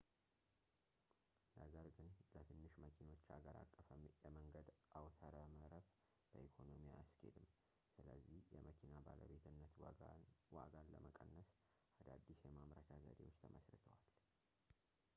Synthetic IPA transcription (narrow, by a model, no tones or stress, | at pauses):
ləɡəɾɡɨnlət̪ʰɨnːɨʃməkʰino̞t͡ʃːaɡəɾa̰kʼːəfəmjɛməŋɡəd̪ʔawt̪ʰəɾəməɾəf | b̥əʔikʰo̞no̞mijaaskʰḛd̪ɨmː | sɨləzːihjɛ̰məkʰinabalə̰be̞t̪ʰɨnːət̪ | wa̰ɡalləməkʼənːəs | ʔad̪ad̪ːisjɛmamɾa̰t̪ʰazə̰d̪ewo̞t͡ʃːt̪ʰəməsɾɨt̪ʰəwal